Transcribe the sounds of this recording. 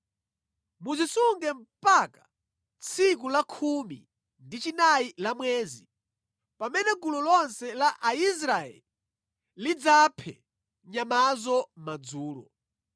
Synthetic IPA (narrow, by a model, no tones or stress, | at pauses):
muzisuŋɡɛm̩pakḁ | t͡sʰik̬ulakʰumḭ | ndit͡ʃinailamwɛːzi | pamɛnɛɡululɔnsɛlaʔais̬ɾaɛ̰li | lid͡zapʰɛ̰ | ɲamazɔmad͡zuːlɔ̰